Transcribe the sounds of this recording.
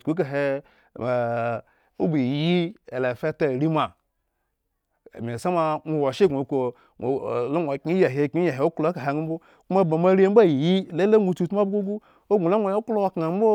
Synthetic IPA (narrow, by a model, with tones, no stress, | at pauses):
ku˨˦k̬a˨ɦe˦˨ | a˨ | ṵ˦bi˨ji˦e˨le˨fe˦ta˨ɾi˦ma˨ | mʲ˨e˨sa˦ma˨ŋʷo˨wa˨ʃe˦˨ɡu˨ko˨ | o˨lo˦ŋʷ˨a˨ki˦ja˨ɦe˨˦˨ki˦ja˨ɦe˨o˦klka˨e˨ŋu˦m̩˦bo˦ | ku˦ma˦˨ba˨ma˦ɾi˦e˦m̩˦ba˦˨ji˦le˦la˦ŋʷu˨tu˦˨tm˦a˦bɡu˦ɡu˦ | o˦ɡʷu˨la˦ŋʷo˨jklo˦a˦kŋa˨m˦bo˦